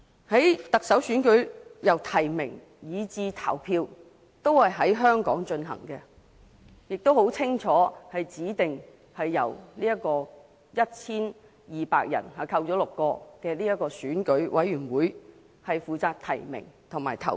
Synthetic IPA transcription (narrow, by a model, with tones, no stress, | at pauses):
hɐ˨˥jt̪ɐ˨k̚sɐ˨˥wsyː˨˥nkɵ˨˥ɥjɐ˨˩wt̪ʰɐ˨˩jmɪ˨˩ŋ | jiː˨˧t͡siː˧t̪ʰɐ̰˨˩wpʰiː˧w | t̪o˥whɐ˨jɦɐ˨˥jɦœː˥ŋkɔ̰ː˨˥ŋt͡ʃɵ˧nɦɐ̰˨˩ŋkɛ˧ | jɪ˨k̚t̪o˥who˨˥wt͡sʰɪ˥ŋt͡ʃʰɔː˨˥hɐ˨jt͡siː˨˥t̪ɪ˨ŋ | hɐ˨jːɐ̰˨˩wniː˥jɐ˥kɔː˧ | jɐ˥t̚t͡sʰiː˥n | jiː˨pa̰ː˧k̚jɐ̰˨˩nhɐ˨kʰɐ˧wt͡sɔː˨˥lʊ˨kːɔː˧kɛː˧liː˥jɐ˥t̚kːɔː˧syː˨˥nkɵ˨˥ɥwʔɐ̰˨˥jɥyː˨˩nwuː˨˥j | hɐ˨jfuː˨t͡saː˧k̚t̪ʰɐ̰˨˩jmɪ̰˨˩ŋt̪ʰʊ˨˩ŋma̰ː˨˩jt̪ʰɐ̰˨˩